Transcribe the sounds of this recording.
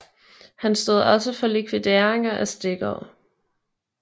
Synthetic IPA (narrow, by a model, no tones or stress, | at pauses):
hænsd̥o̝ð̩̰ˠɒ̽səfɒ̽likʰʋid̥e̝ɐeŋɐʔæsd̥e̝ɡ̥əɒʊ̰